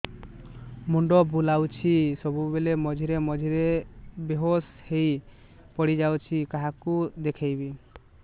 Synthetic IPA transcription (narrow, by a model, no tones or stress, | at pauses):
muɳɖɔbʱulawt͡ʃʰisɔbubelemɔd͡ʒʱiɾemɔd͡ʒʱiɾebeɦoshej | pɔɽid͡ʒawt͡ʃʰikaɦakud̪ekʰejbi